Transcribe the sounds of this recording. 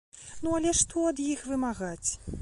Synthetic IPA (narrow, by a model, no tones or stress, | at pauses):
nuɐlʲɛʂt̪ʰɔɐd̪jixvɨmaɣat͡sʲ